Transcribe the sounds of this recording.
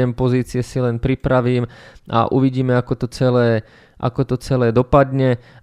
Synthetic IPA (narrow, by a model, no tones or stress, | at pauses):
ɛmpɔziːt͡sɪɛsilɛnpɾipɾaʋiːmʔa̰ʔuʋiɟiːmɛakɔt̪ɔt͡sɛlɛː | ʔa̰kɔt̪ɔt͡sɛlɛːd̪ɔpad̪ɲɛ